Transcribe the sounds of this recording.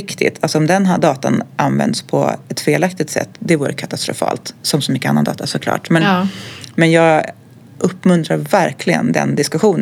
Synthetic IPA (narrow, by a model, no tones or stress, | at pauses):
kt̪ʰɪ̰t̪ʰalsɔɔmd̪ɛnd̪ɑːt̪a̰nʔanvɛ̰nd̪spʰɔ̰ɛt̪feːlak̚t̪ɪɡ̚t̪sɛ̰t̪ːd̪ɛvuːɾəkʰat̪ast̪ɾʊ̰fɑ̰ːlt̪sɔmsɔmʏkːəanːand̪ɑ̰ːt̪asɔkʰlɑ̰ːʈmɛnmɛnjɑːɡ | ʔɵpːmɵnt̪ɾaɾvæɾkʰlɪɡə̰nd̪ɛ̰nd̪ɪskɵɧuːn